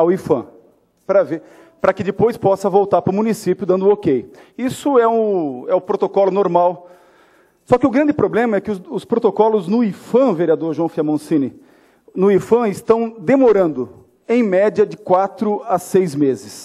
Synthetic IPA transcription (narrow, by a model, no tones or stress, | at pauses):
awifɐ̰̃ | pɾɐve | pɾɐkɪd͡ʒ̪ɪpojspɔsɐvowt̪aɾpɾʊmũnisipjʊd̪ɐ̃nd̪ʊokejisʊɛʊ̃ɛʊpɾot̪okɔlʊnoɾmaw | sɔkɪʊɡɾɐ̃nd͡ʒɪpɾoblẽmɐɛkɪʊʊspɾot̪okɔlʊznʊifɐ̃veɾiad̪oɾʒwɐ̃w̃fiɐmõsĩnɪ | nʊifɐ̃ɪst̪ɐ̃w̃d̪emoɾɐ̃nd̪ʊ | ẽj̃mɛd͡ʒiɐd͡ʒɪkwat̪ɾʊasejzmezɪs